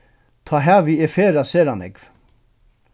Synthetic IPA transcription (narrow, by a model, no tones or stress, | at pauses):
t̪ʰaːɦɛːviɛfeːɾaseːɾanɛ̰kv